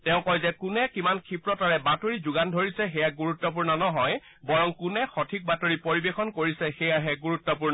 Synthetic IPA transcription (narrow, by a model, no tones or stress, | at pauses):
tɛʊ̃kɔjzɛkʊnɛkimankʰipɹɔtaɹɛbatoɹizuɡandʱoɹisɛxɛjaɡuɹutːɔp̬uɹnɔnɔɦɔj | bɔɹɔŋkunɛxɔtʰik̚batoɹipoɹibexɔnkoɹisɛxɛjaɦɛɡuɹutːɔp̬uɹnɔ